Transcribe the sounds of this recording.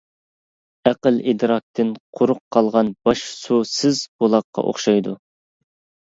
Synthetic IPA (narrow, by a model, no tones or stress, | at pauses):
æqəlid̪ɾɑk̚t̪ʰɪnqʰʊɾʊqʰːɑlˠʁɑnb̥ɑʃsusɪzbolˠɑqːɑ̰ʔo̰χʃɑjd̪u